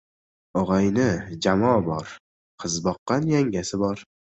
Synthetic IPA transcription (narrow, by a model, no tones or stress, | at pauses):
ɒʁɑjnɪd͡ʒamɒbɒɾ | qʰɨzbɒqːɑnjaŋɡʲasɪbɒɾ